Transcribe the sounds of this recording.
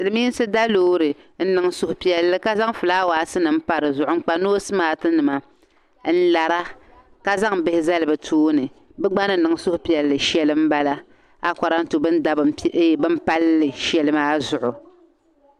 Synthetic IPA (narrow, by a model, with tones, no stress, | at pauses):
sɨ˨lɨ˨miː˦n˦sɨ˦da˦loː˦ɾɨ˨ | n̩˦nɨ˨ŋ˦sʊ˦hʊ˨pi˦ɛ˦lːɨ˦ka˦za˦ŋ˦fɨ˨laː˦waː˨˦sɨ˦nɨ˨m̩˦pa˨ɾɨ˨zʊ˨ʔʊ˦ŋ͡m̩˦k͡pa˦noː˦sɨ˦maː˨˦tɨ˦nɨ˨ma˨ | n̩˦la˨ɾa˦ | ka˦za˦ŋbɪ˦hɪ˦za˦lɨ˨bɨ˨tʰuː˦nɨ˨ | bɛ˦ɡ͡ba˦nɨ˦nɨ˨ŋ˦sʊ˦hʊ˨pi˨ɛ˨lːɨ˨ʃɛ˦lɨ˦m˦ba˦la˦ | a˨ka˨ɾa˦n̩˦tu˨bɨ˦n˦da˨bbɨ˦m˦pa˦lːɨ˨ʃɛ˨lɨ˦maː˦zʊ˨ʔʊ˨